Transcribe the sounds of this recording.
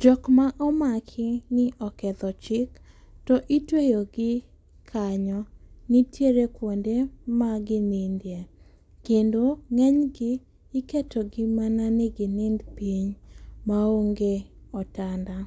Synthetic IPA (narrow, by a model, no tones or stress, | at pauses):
d͡ʒɔkmaʔɔmakʰɪnɪʔɔkɛd̪ɔt͡ʃɪk | tɔʔitwejoɡɪ | kʰaɲɔnitjeɾekwondemaɡɪnindje | kendoŋɛɲɡɪː | ketʰɔɡɪmananɛɡɪnɪndpiɲmaoŋɡeɔtanda